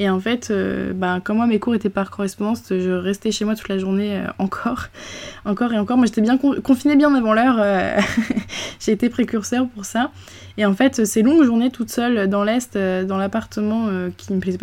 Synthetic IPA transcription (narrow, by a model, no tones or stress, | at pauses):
eɑ̃fɛt̪ʰø̰bakɔ̃mwamekuʁet̪ɛpaʁkɔʁɛspɔ̃d̪ɑ̃sʒəʁɛst̪ɛʃemwat̪u̥t̪laʒuʁneø̰ɑ̃kʰɔʁɑ̃kɔʁeɑ̃kɔʁmwaʒet̪ɛbjɛ̃kɔ̃kɔ̃finebjɛ̃ɑ̃navɑ̃lœʁø | ʒ̥eːt̪epχekʲyʁsœʁpuʁsa | eɑ̃fɛt̪øsɛlɔ̃ɡʒuʁnet̪ut̪sœlød̪ɑ̃lɛst̪ød̪ɑ̃lapaʁt̪əmɑ̃økʲʰiməplɛzɛp